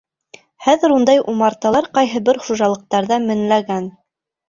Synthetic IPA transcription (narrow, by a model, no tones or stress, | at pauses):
χæðɘ̆ɾund̪ɑjʔumɑɾt̪ɑlˠɑɾqɑjɦɤ̆bɘɾχuʒɑlˠɤ̆q̚t̪ɑɾðɑmɘ̆nlæɡæn